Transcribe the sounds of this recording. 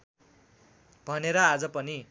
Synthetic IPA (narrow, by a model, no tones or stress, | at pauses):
b̥ʱʌneɾʌad͡zʌpʌni